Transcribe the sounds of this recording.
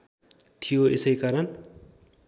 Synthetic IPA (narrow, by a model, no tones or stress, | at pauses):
t̪ʰijoḛsʌjkaɾʌn